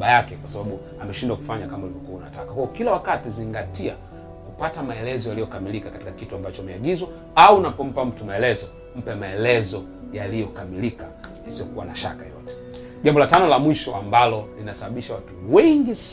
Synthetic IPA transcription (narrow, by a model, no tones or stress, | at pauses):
ajakɛkwasaɓaɓu | amɛʃindwaku̥faɲakamaulivɔkuauna̰takahuɔkilawakatiziŋɡatia | kupatamaɛlɛzɔjalijɔkamilikakati̥kakituambat͡ʃɔmɛaɡizwa | aunapɔm̩pam̩tumaɛlɛzɔ | m̩pɛmaɛlɛzɔ | jalijɔkamilikajasiɔkuwa̰naʃa̰kajɔ̰tɛ̥ | ʄambɔlatanɔlamwiʃɔʔambalɔlinasaɓaɓiʃawatuwɛŋɡis